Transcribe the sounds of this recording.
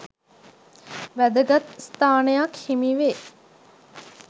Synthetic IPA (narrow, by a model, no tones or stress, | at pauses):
ʋæd̪əɡɐt̪st̪aːnejɐkhimiʋe